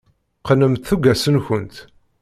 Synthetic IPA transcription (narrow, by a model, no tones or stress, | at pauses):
qənəmt̪θuɡæsənçənt̪